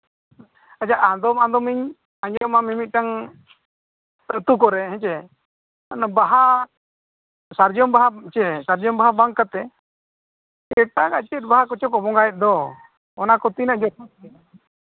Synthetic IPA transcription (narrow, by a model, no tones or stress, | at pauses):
ad͡ʒaʔad̪ɔmãnd̪ɔmiɲ | aɲd͡ʒɔmamimit̪̚ˀʈaŋ | t̪ət̪ukɔɾɛɦɛ̃t͡ʃɛ | nbaɦa | saɾd͡ʒɔmbaɦat͡ʃɛsaɾd͡ʒɔmbaɦabaŋkːat̪ɛ | ɛʈaɡaʔt͡ʃɛt̪̚baɦakɔt͡ʃɔkɔbɔŋɡajɛt̪̚ˀd̪ɔ | ɔnakɔt̪inaʔd͡ʒɔt